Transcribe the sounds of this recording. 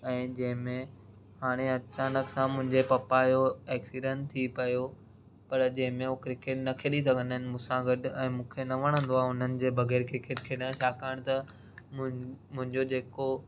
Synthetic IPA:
ɛ̃ːd͡ʑɐ̃ɦɪ̃mẽ | haːɽ̃eɐt͡ɕaːnəksãmʊ̃ɦɪ̃ɲd͡ʑepɐpajoɛːksiɖə̃nt̪ʰipɐjo | pɐɾd͡ʑɐ̃ɦɪ̃mẽokɾɪkeːʈnɐkʰeɗisɐɡʱə̃nd̪əɪnɪ̆mũːsãɡɐɖɛ̃ːmũːkʰenɐʋɐɽ̃ə̃n̆d̪oaːɦʊn̤ənɪ̆d͡ʑeːbʱɐɣɛːɾkɾɪkeːʈkʰeːɗãʃaːkaːɪɽ̃t̪ɐ | mʊ̃ɦɪ̃ɲd͡ʑod͡ʑeːko

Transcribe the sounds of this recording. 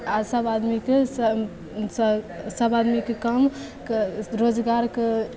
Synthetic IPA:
asəbad̪mike | ssəbad̪mikekəm | kɾod͡ʒɡaɾke

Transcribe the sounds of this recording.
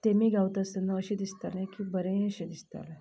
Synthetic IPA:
t̪emiːɡʱawt̪əsənːəəɕed̪ist̪alẽkibəɾẽəɕed̪ist̪a̰le

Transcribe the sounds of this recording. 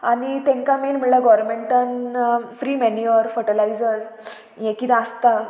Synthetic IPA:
anit̪ẽŋkamenm̤iɭlaɡɔɾmeɳʈənfɾiːmeniəɾfəʈəlaid͡zəɾ | jẽkit̪eəst̪a

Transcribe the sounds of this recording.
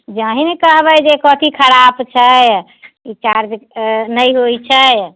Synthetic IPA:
d͡ʒaɦimekəɦbɛd͡ʒekɔt̪ikʰəɾabt͡ʃʰəj | it͡ʃaɾd͡ʒnəjɦojt͡ʃʰəj

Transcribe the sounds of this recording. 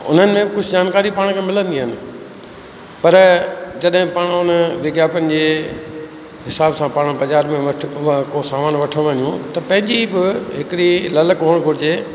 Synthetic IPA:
ʊ̰n̤ənɪ̆mẽkʊd͡ʑʱɪd͡ʑaːnkaːɾipaːɽ̃kʰeːmɪlə̃nd̪iɦənɪ̆ | pɐɾd͡ʑɐɗɦɪ̃paːɽ̃ʊnəʋɪɡjaːpənɪ̆d͡ʑeː | ɦɪsaːbsãpaːɽ̃bɐzaːɾmẽʋʰkosaːmaːnʋɐʈʰəɽ̃ʋɐnijũt̪ɐpɐ̃ɦɪ̃ɲd͡ʑibɪɦɪkɪɽilɐləkɦoɽ̃ɡʱʊɾɪd͡ʑeː

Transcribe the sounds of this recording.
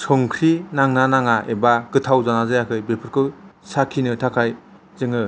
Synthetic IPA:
sʰɔŋkʰɾinaŋnanaŋaʔebakɯtʰawzanazajakʰɯjbepʰɯɾkʰɯsakʰinɯtʰakʰaj | zɯŋɯ

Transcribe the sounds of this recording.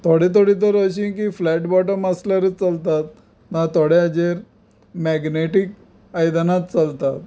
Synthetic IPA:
t̪ʰoɽet̪̬ʰoɽit̪̬əɾəɕ̬ik̬iflæʈbɔʈəməslaɾət͡səlt̪at̪̚ | mãt̪oɽead͡ʑeɾ | mɛɡneʈik | ajd̪nat̪̚t͡səlt̪at̪̚

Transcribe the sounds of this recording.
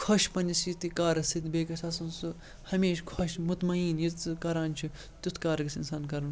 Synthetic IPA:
kʰoʃpɐnʲd͡ʒisit̪ikaːɾɐsit̪beːkɐsʰɐsunsu | hɐmeːʃkʰoʃmut̪mɐiːnjikɐɾaːnt͡ʃʰu | t̪ut̪ʰkaːɾɐɡɐsinsaːnkɐɾɐn

